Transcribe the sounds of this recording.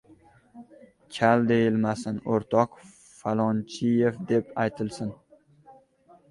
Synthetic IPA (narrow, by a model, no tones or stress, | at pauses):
kʲʰald̪e̞jɪlmasɪnoɾt̪ʰɒq | falˠɒnt͡ʃʰɪjefd̪e̞pajt̪ʰɪlˠsɪn